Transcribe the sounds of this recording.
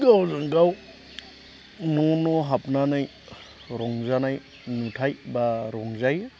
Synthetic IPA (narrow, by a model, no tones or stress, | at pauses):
ɡawzaŋɡaw | nɔnɔɦap̚nanaj | ɾɔŋzanaj | nutʰajbaɾɔŋzaj